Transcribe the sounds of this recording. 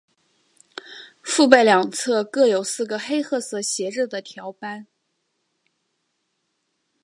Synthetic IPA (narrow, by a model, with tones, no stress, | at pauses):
fu˥˧pe˥˩ɪljɑ˨˩ŋt͡sʰɤ˥˧kɤ˥˩jo˨˩ʊsɹ̩˥˩ɡə˩xe˥ɪxʰɤ˥˩sɤ˧˨˩ɕjɛ˧˥ʈ͡ʂ̩˥˩d̪ə˩t̪ʰjɑ˧˥ʊpa˥n